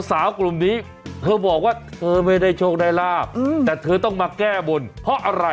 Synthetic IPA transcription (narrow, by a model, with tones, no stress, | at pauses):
saː˩˦wklu˨˩mniː˦˥ | t̪ʰɤː˧bɔː˨˩k̚waː˥˩t̪ʰɤː˧ma˥˩jda˥˩jt͡ɕʰoː˥˩k̚daː˧jlaː˥˩p̪̚ːɛː˨˩t̪ʰɤː˧t̪ɔ˥˩ŋmaː˧kɛː˥˩bo˧npʰɔ˦˥ʔa˧ɾa˧